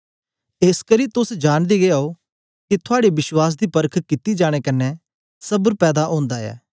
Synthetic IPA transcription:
eskəɾiːt̪ʊsd͡ʒaːɽ̃d̪iɡeaːo | kit̪ʰʊaːɽeʋɪʃwaːs̬d̪iːpəɾkʰkɪt̪id͡ʒaːɽ̃ekɐnːɛ | sɐbəɾpɛːd̪aʔõːnd̪aɛ̰ː

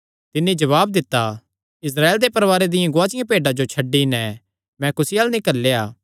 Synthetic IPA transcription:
t̪ɪnːẽd͡ʒɐʋaːbd̪ɪt̪ːa | ɪs̬ɾaːeːld̪epɐɾʋaːɾed̪ɪjãɡʊaːt͡ʃɪjãpeːɖad͡ʒot͡ʃʰɐɖːinɛ | mɛ̃kʊsialnĩkɐɾleːaː

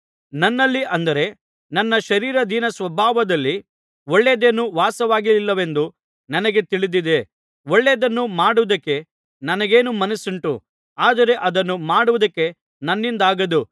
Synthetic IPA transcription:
nɐnːɐlːiʔɐnd̪ɐɾe̞ | nɐnːɐʃɐɾiːɾɐd̪ʱinɐsʋɐbʱaːʋɐd̪ɐlːi | oɭːeːd̪enːuʋaːsɐʋaːɡililːɐʋe̞nd̪u | nɐnɐɡe̞t̪iɭid̪id̪e̞ | oɭːeːd̪ɐnːumaːɽuʋɐd̪ɐkːe̞ | nɐnɐɡe̞ːnumɐnɐsuɳʈṵ | aːd̪ɐɾe̞ʔɐd̪ɐnːumaːɽuʋud̪ɐkːe̞ | nɐnːind̪aːɡɐd̪u

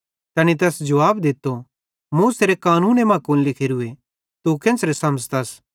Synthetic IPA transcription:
t̪ɐːnit̪̬ɛːsd͡ʒɐʋaːbd̪ɪt̪ːo | muːseɾekaːnuːnemãːkuːnlɪkʰeɾʊe | t̪ukɛ̃nsɾesɐməd͡ʒt̪ɐs

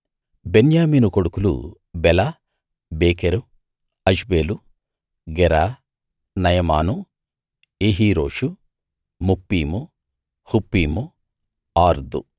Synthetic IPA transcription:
benjaːmiːnukoɽukulṵ | bɛla | beːkeɾu | ɐʃbeːlu | ɡɛɾaː | nɐjɐma̰ːnu | eːɦiːɾo̞ːʂu | mupːiːmu | hupːiːmu | aːɾd̪ṵ

